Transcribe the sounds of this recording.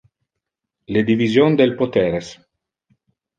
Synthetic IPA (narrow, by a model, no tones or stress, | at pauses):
led̪ivizjond̪elpot̪ɛːɾes